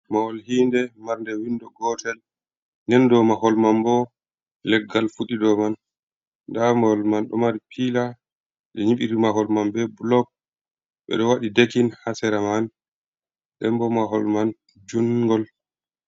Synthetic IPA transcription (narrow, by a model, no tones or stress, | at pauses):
maɔlhiːndɛmaɾndɛwindɔɡɔtɛl | nɛndɔmaɦɔlmanbɔ | lɛɡːalfuɗidɔmanː | damaɔlmanɗɔ̰maɾipʰila | ɗɛɲiɓiɾimaɦɔlmambɛbulɔk̚ | ɓɛ̰ɗɔwaɗidekinhasɛɾaman | ɗɛmbɔmaɦɔlman | d͡ʒunɡɔl